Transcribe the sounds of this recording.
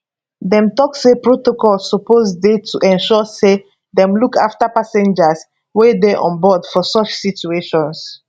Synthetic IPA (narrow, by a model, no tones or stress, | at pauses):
dɛ̃mtɔkswepɹotokɔlsɔpozdetʰuʔɛ̃nʃɔse | ðɛ̃mlukʰa̰ftapasɛ̃nd͡ʒas | wedɛʔɔ̰̃nbɔdfɔsɔt͡ʃsit͡ʃueʃɔ̃ns